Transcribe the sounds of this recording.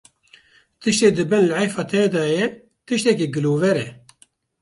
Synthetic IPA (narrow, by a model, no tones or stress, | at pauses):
t̪ɨʃt̪eːd̪ɨbɛnlʕɛjfɑːt̪ʰɛd̪ɑːjɛ | t̪ɨʃt̪ɛkeɡɨloːvɛɾɛ